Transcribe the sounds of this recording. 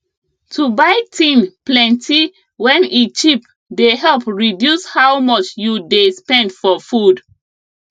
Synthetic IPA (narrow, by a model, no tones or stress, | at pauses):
tʰubaɪtʰĩnplɛ̃ntʰi | wɛ̃nit͡ʃip | deɦɛlpɹidjushawmɔt͡ʃjudespɛ̃ndfɔfud